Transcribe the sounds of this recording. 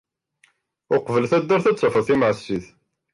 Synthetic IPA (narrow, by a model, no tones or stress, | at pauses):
ʊqvəlθæd̪ːʊɾθæt͡sːɑfəθimʕsːiθ